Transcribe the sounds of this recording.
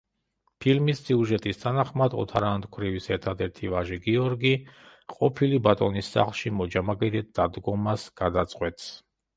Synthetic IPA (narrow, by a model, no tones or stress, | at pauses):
pʰilmisːiuʒɛt̪ʼist̪ʰanaχmad̪ɔ̰t̪ʰaɾand̪kʰɾivisɛɾt̪ʰad̪ɛɾt̪ʰivaʒɛɡiɔɾɡi | qʼɔpʰilibat̪ʼɔnisːa̰χlˠʃimɔd͡ʒamaɡɛd̪ɛt̪̚d̪ad̪ɡɔmasɡ̥ad̪at̪sʼqʼwɛt̪ʰʼs